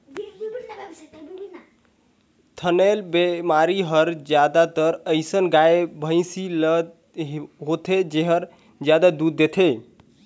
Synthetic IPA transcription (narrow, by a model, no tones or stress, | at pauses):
t̪ʰənelbemaɾiɦəɾd͡ʒjad̪at̪əɾəɪsənɡaebʱə̃ɪ̃siləd̪ | ɦot̪ʰed͡ʒeɦəɾ | d͡ʒjad̪ad̪ud̪̚ːet̪ʰe